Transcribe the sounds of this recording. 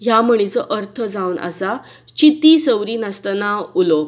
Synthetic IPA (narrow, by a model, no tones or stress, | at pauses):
ɦjaməɽ̃it͡səʔəɾt̪ʰəd͡zawnʔa̰sa | t͡ɕit̪isəwɾiːnast̪ənaulo